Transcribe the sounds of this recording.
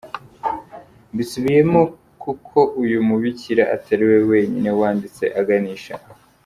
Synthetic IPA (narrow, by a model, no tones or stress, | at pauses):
bisuβije̞mo | kukʰo̞ʔujumuβiciɾaʔatʰaɾiwe̞we̞ːɲine̞waːndit͡se̞̰ʔaɡaniːʃa